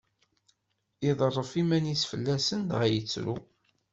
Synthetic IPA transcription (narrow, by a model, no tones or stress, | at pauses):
iðˤrˤːəfimænisfəlːæsənd̪ʁæjət͡sːɾṵ